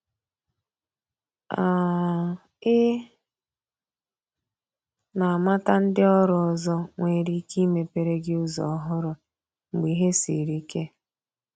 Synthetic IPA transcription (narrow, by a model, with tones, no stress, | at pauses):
a˨ | ɪ˦ | na˨a˨ma˦ta˦n̩˦dɪ˦ɔ˦ɾʊ˨ɔ˨zɔ˦ŋʷe˨ɾi˦ki˦me˨pe˨ɾe˦ɡɪ˦ʊ˦zɔ̰˨˦ɦʊ˦ɾʊ˨ | ŋ͡m̩˨ɡ͡bi˨ɦe˦si˨ɾi˦ke˦